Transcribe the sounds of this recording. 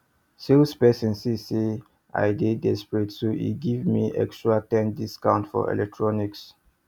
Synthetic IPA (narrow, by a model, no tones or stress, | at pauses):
silspɛsĩnsise | a̰ɪdedɛspɹetsoḭɡivmiʔɛ̰kstɹatɛ̃ndiskãʊ̃ntfɔ̰ɛ̰lɛk̚tʰɹɔniks